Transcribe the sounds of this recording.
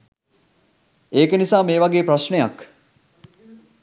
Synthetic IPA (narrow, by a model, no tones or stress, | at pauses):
eːkənisaːmeːʋaɡeːpraʃnejak